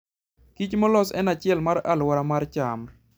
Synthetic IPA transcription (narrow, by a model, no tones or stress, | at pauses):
kit͡ʃmɔlɔsɛ̰nat͡ʃɪɛlmaɾa̰lwaɾamart͡ʃam